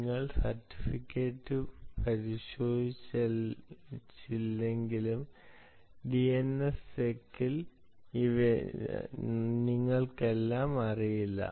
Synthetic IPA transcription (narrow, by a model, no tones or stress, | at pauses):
ŋːɐɭsɐrtːi̥fikʲːe̞ːʈːɨpɐɾiɕo̞ːd̪ʱit͡ɕː | t͡ɕːilːe̞ŋɡilum | ɖienesekːil | iʋe | niŋːɐɭke̞lːaːmɐrijilːɐ̰